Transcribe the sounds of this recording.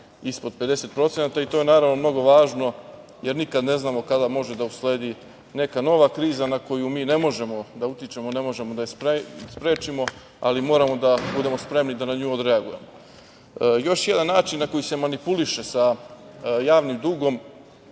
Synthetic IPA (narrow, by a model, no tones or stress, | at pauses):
ispo̞d̪̚ped̪e̞se̞t̪̚pɾo̞t̪senat̪ait̪oje̞naːɾaʋno̞mno̞ɡo̞ʋaːʒno̞ | je̞ɾnikad̪ne̞znaːmo̞kad̪amo̞ʒe̞d̪ausle̞ːd̪i | ne̞kano̞ʋakɾiːzanako̞jumiːne̞mo̞ʒe̞mo̞d̪aut̪jit͡ʃe̞mone̞mo̞ʒe̞mod̪aspɾspɾe̞ːt͡ʃimo̞ | a̰limo̞ːɾamo̞d̪abud̪e̞mo̞spɾe̞mnid̪anaɲuːod̪ɾeaɡuje̞̰mo | jo̞ʃje̞d̪anːaːt͡ʃinːako̞jise̞manipuliʃe̞sa | jaːʋnimd̪uːɡo̞m